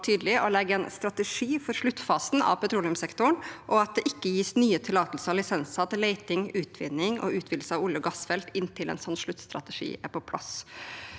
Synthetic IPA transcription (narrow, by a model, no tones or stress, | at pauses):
ʈʰyːd̪l̩ɪʔɔlɛɡːəɛnst̪ɾɑt̪əʂiːfɔɾʂɭʉt̪ːfɑːsn̩ɑ̰ʋpʰɛt̪ʰɾuːlɪʊmsɛkt̪ʊɳʔɔɑt̪̚d̪ɛʔɪkːəjiːsnyːət̪ʰɪlɑːt̪əlsəɾɑlɪsɛnsɑt̪leɪt̪ɪŋʉːt̪ʰʋɪ̰nːɪŋɔ̰ʉːt̪ʰʋɪd̪səɑʋʊljəɡɑsfɛlt̪ɪnːt̪ʰɪlɛ̰nsɔnːʂɭʉt̪ːst̪ɾɑ̰t̪əʂḭːpɔpʰlɑ̰s